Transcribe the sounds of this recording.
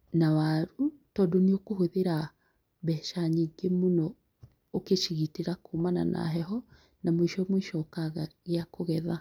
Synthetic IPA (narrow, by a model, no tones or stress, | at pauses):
nawaɾutɔːdoneokohoðeɾa | bɛʃaɲiːŋɡemonɔː | keʃiɣiteɾakumana̰nʔa̰ɦɛɦɔ | namoiʃɔmwiʃɔkaɣaɣeakoɣɛða